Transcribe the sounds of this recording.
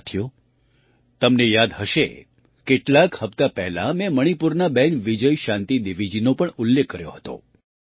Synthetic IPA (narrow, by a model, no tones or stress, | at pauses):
t̪ʰjo | t̪əmnejad̪ɦəʃe | keʈlakhəpt̪apɛɦla̰mɛ̃məɽ̃ipuɾnabɛnʋid͡ʒəjʃãnt̪id̪iʋid͡ʒinopəɳʊlːekːəɾjo̰ɦət̪o̰